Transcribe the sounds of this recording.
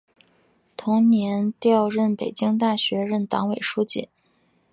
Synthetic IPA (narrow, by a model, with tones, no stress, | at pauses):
t̪ʰʊ˧˥ŋnjɛ˧˥nt̪jɑ˥˧ʊɻə˥˩npe˨˩ɪt͡ɕi˥ŋt̪a˥˩ɕɥɛ˧˥ɻə˥˩nt̪ɑ˧˥ŋwe˨˩ɪʂu˥t͡ɕḭ˥˩˦n